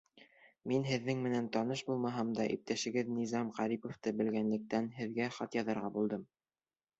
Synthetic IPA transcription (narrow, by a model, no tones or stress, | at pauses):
minɦɘ̆ðːɘŋmɘ̆nænt̪ɑnɤʃbulˠmɑɦɑmd̪ɑʔḭp̚t̪æʃɘ̆ɡɘðnizɑmʁɑɾipŏft̪ɤbɘ̆lɡænlɘ̆k̚t̪ænɦɘ̆ðɡæχɑt̪jɑðɑ̆ɾʁɑbulˠd̪ɤm